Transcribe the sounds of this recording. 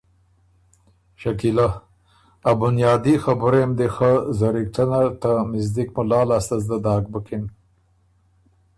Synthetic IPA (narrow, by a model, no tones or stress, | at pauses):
ʃakila | abʊnjɑːd̪ixabʊɾemd̪exəzaɾik̚ʈanat̪amɪzd̪ikmʊlɑːlast̪azd̪ad̪ɑːɡ̚bəkin